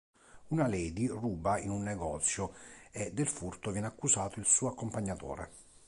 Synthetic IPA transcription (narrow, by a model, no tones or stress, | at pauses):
unalɛːd̪iruːbainunːɛɡɔt̪sjoed̪ːelfurt̪ovjɛːnakːusaːt̪oilsuːakːompaɲːat̪o̰ːɾḛ